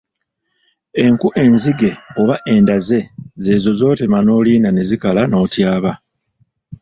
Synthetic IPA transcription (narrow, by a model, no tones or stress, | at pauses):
e̞ŋkuʔe̞nziɡe̞oβaʔe̞ndaze̞ze̞ːzo̞zo̞ːte̞mano̞ːliːnane̞zikalano̞ːtjaːβa